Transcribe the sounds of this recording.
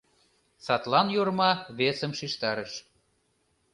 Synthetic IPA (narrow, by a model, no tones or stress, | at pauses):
sɑt̪lɑnjoɾmɑβesə̆mʃiʃt̪ɑɾəʃ